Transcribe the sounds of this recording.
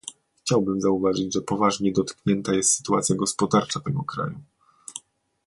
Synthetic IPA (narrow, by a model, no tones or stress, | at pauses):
xt͡ɕawbɘmzauvaʐɘd͡ʑʐɛpɔvaʐɲɛd̪ɔt̪kɲɛnt̪ajɛst̪sɘ̥t̪uat̪sjaɡɔspɔd̪aɾt͡ʂat̪ɛɡɔkɾa̰ju